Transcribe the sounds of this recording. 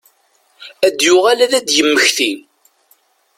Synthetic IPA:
æd̪jʊʁalæðæd̪jəmːəçθil

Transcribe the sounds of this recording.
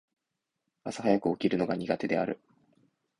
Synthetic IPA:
asahajakɯ̟okʲiɾɯ̟no̞ɡaɲ̟iɡat̪e̞d̪e̞aɾɯ̟̰

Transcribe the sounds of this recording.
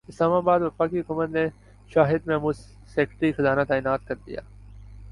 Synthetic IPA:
ɪslaːmaːbaːd̪ʋɐfaːkiɦʊkuːmət̪ne | ʃaːɦɪd̪mɛ̃ːmuːs | seːkʈɾiːxɐzaːnat̪aːɪnaːt̪̚kɐɾd̪ɪ̰ja̰ː

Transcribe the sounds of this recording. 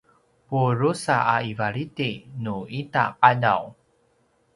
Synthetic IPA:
puɾusa̰ʔaivaɭitinuita̰qada̰w

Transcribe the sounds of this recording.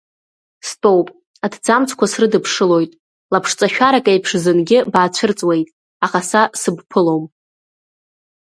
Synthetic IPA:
stʼo̞wpʼ | adʰd͡zamt͡sʰkʷʰasrɨdɨpʰʂɨlo̞jtʼ | lapʰʂt͡sʼaʃᶣaɾakʼajpʰʂzɨnɡʲɪbaːt͡ɕʷʰɨrt͡sʼwe̞jtʼ | aχasasɨbpʰɨlo̞m

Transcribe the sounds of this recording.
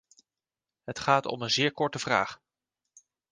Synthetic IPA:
ɦətχaːtɔ̰mənzɪːɹkɔɹtəv̥ra̰ːχ

